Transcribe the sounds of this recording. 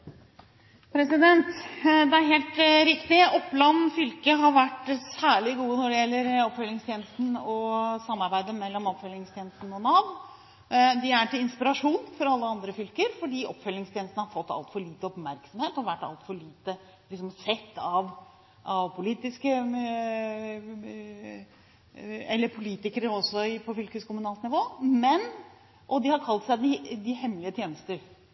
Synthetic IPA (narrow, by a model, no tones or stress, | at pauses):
pʰɾɛsɪd̪ɛnt̪d̪ɛæɾɦeːlt̪ɾɪkt̪ɪɔpːlɑnːfʏlkəɦɑɾʋæʈsæːɭɪɡuːənɔɖɛjɛlːəɾɔpfœlːɪŋst̪ʰjeːnəst̪n̩ɔsɑmːɑɾbæɪd̪əmɛlːɔmɔpfœljɪŋst̪ʰjeːnəst̪n̩ɔnɑʋ | d̪ɪæʈɪɪnspɪɾɑʂuːnfɔɾɑlːəɑnd̪ɾəfʏlkəɾfɔɖiːʔɔpːfœlːɪŋst̪ʰjeːnəst̪nəhɑɾfɔt̪ːɑ̰lt̪fɔɭiːt̪əɔpmæɾksɔmheːt̪ɔʋæʈːɑ̰lt̪fɔɭiːt̪ə | lɪks̬ɔmsɛt̪ʰːɑʋ | ʔɑʋpʰʊliːt̪ɪskə | ɛlːəɾpʰʊliːt̪ɪkəɾəɔsːɔɪpʰɔfʏlkəskʰʊmʉnɑːlt̪nɪʋoːmɛn | ʔɔd̪ɪhɑɾkʰɑlt̪sæɪd̪ɪd̪ɪhɛmːlɪət̪ʰjeːnəst̪əɾ